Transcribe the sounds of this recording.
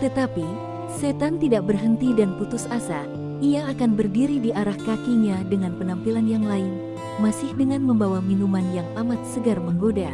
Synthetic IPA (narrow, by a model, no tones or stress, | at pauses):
t̪ət̪api | set̪ant̪idaʔ̚bərɦənt̪idanput̪ʊsasa | ʔiaːkanbərdiɾidiʔaɾahkakiɲadəŋanpənampilanjaŋlaɪn | masɪhdəŋanməmbawaminumanjaŋamat̪̚səɡarməŋɡoda